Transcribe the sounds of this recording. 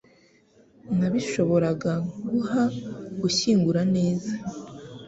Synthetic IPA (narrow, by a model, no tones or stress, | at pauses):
naβiʃo̞βo̞ɾaɡaɡuhaɡuçiːŋɡuɾane̞ːza